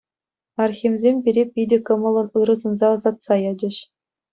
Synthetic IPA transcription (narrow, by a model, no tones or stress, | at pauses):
ɑrxʲimʲzʲemʲbʲiɾʲepʲidʲɘ̆kɤ̆mɤ̆lˠɤ̆nɯɾɤ̆zɤ̆nzɑɑzɑt̪sɑjɑd͡ʑɘ̆ɕ